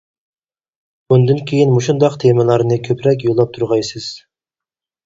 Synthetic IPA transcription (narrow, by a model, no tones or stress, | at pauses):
und̪ynkʲʰejinmuʃund̪ɑqt̪ʰemɛlˠɑɾnɨkʲʰøpɾɛkʲjolˠːɑp̚t̪ʰuɾʁɑjsɨz̥